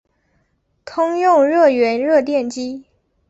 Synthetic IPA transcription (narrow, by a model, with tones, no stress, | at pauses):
t̪ʰʊ˥ŋjʊ˥˧ŋɻɤ˥˩ɥɛ˧˥nɻɤ˥˧t̪jɛ˥˩nt͡ɕi˥